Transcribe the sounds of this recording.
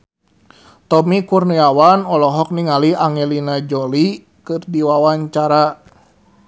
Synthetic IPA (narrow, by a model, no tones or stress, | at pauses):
t̪ɔmikurniawanɔlɔɦɔk̚niŋaliaŋɛlinad͡ʒɔli | kɨrdiwawaɲt͡ʃaɾa